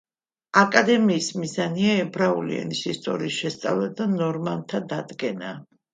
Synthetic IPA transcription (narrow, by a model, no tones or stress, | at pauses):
akʼad̪ɛmiːsmizaniaɛbɾaulḭɛ̰nisist̪ʼɔ̰ɾiːsʃɛst̪sʼa̰vlad̪anɔɾmant̪ʰad̪ad̪ɡɛna